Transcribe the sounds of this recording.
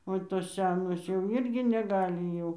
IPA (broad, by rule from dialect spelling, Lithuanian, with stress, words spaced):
oː ˈtoːs ˈsʲɛ noːs jɛʊ ˈɪrʲɡʲɪ nʲɛˈɡɑːlʲɪ jɛʊ